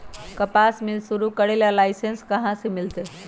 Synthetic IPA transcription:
kɐpaːsmɪlsuɾukɐɽelalaːɪsenskɐɦãsimɪlt̪e

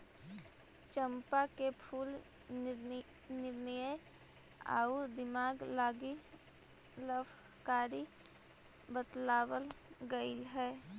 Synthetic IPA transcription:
t͡ʃəmpakepʰuːl | nɪɾnəjəj | a̰ːud̪ɪmaːɡlaːɡi | ləbkaːɾi | bət̪laːwəl | ɡəɪlɦɛː

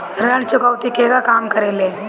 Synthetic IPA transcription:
ɾəɽ̃t͡ʃʊkəwt̪ikeːɡakaːmkɐɾeːleː

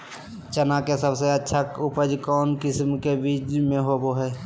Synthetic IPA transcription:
t͡ʃənakesəbseətːʃʰaʊpəd͡ʒkɔːnkɪsmkebidmẽɦoːboɦɛː

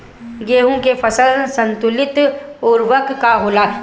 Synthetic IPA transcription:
ɡeːɦõkefʰɐsəlsɐ̃nt̪ʊlɪt̪ɔːɾʋɐkkːaɦoːlaː

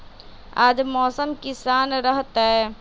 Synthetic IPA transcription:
aːd͡ʒmɔːsəmkisaːnɾəɦt̪aɦɛː

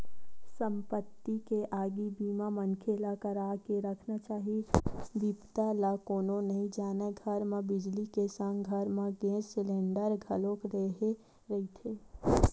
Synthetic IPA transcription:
sə̃mpət̪ːikeʔaːɡibiːmamənkʰelakəɾaːkeɾəkʰnat͡ʃaːɦibipt̪alakoːnonɐɦĩd͡ʒaːnaɡʱɐɾmẽbɪd͡ʒlikesə̃ŋɡɡʱəɾmẽɡẽːzsɪlẽːɳɖəɾɡʱəlõkɾeɦe | ɾɐɦit̪ʰeː

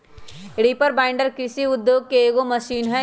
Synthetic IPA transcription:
ɽiːpəɾbãːɪ̃ɳɖəɾkɾɪsiʊd̪joːɡ̚keeːɡomɐʃiːnɦɛ̃

